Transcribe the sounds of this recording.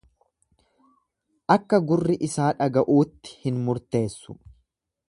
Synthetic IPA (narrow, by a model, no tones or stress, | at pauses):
ʔɐkːɐɡʊrːɪʔɪsaːᶑɐɡɐʔuːt̪ːɪ̥hɪnmʊɾt̪e̞ːsːʊ̥